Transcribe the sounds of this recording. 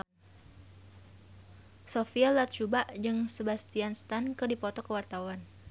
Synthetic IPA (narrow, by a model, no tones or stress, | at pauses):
sofialat̪̚t͡ʃubaʔd͡ʒɨŋsəbast̪ianst̪ankərdipɔt̪ɔkəwart̪awan